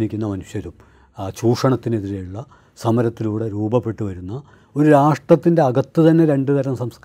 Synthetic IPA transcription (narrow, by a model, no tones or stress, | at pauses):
nikʲːunːɐmɐnuʂjɐɾum | t͡ɕuːʂɐɳɐt̪ːine̞ðiɾejuɭːɐ | sɐmɐɾɐt̪ːiluːɽeɾuːbɐpːe̞ʈːuʋɐɾunːɐ | o̞ɾuɾaːʂʈrɐt̪ːinde̞ɐɡɐt̪ːut̪ɐnːe̞ɾe̞ɳɖɨt̪ɐɾɐmsɐmsk